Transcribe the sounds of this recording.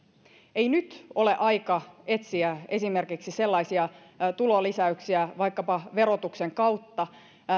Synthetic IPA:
e̞inyt̪o̞leʔɑjkɑe̞t̪siæe̞sime̞rkiksise̞lːɑisiɑ | t̪ulolisæyksiæʋɑijkːɑpɑʋe̞ɾot̪ukseŋkɑwt̪ːɑ

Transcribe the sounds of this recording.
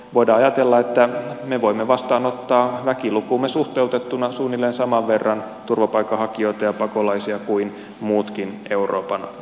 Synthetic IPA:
ʋoidɑːɑjɑt̪elːɑet̪ːæmeʋoimːeʋɑst̪ɑːnot̪ːɑːʋækilukuːmːesuht̪eut̪et̪ːunɑsuːnːilːensɑmɑʋʋerːɑn | t̪urʋɑpɑikːɑhɑkio̞it̪ɑjɑpɑkolɑisiɑkuin | muːt̪kin | e̞uro̰ːpɑn

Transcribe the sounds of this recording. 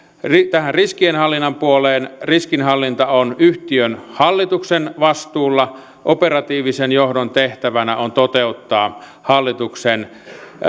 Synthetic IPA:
rit̪æhænriskienhɑlːinːɑmpuoleːnriskinhɑlːint̪ɑonyht̪iønhɑlːit̪uksenʋɑst̪uːlːɑ | ʔoperɑt̪iːʋisenjohdont̪eht̪æʋænæont̪ot̪eut̪ːɑː | hɑlːit̪uksen

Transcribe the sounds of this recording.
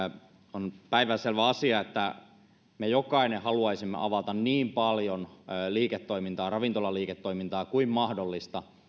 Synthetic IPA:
onpæiʋæselʋæɑsiɑet̪ːæ | mejokɑinehɑluɑisimːḛʔɑʋɑt̪ɑnniːmpɑljonliːket̪ːoimint̪ɑːrɑʋint̪olɑliːket̪ːoimint̪ɑːkuimmɑhdolːist̪ɑ

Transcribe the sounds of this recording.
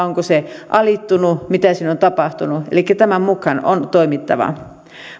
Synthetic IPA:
oŋkoseʔɑlit̪ːunumit̪æsiːnont̪ɑpɑht̪unuḛlikːæt̪æmæmmukhɑno̰nt̪oimit̪ːɑ̰ʋɑ̰

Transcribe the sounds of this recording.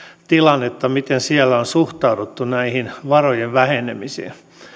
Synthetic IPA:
t̪ilɑnːet̪ːɑmit̪ensiælːæonsuht̪ɑudut̪ːunæihinʋɑrojeʋʋæhenemisḭːn

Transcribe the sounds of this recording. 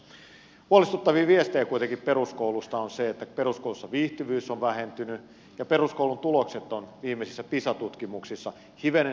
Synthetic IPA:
huolist̪ut̪ːɑʋiːʋiest̪ejkuijt̪eŋkippe̞ɾruskoulust̪ɑonseet̪ːæpe̞ɾuskoulusːɑʋiːht̪iʋyːsonʋæhent̪yny | jɑperuskoulunt̪ulokset̪ːonʋiːmːesisːæpisɑt̪ut̪kimuksisːɑ | hiʋene

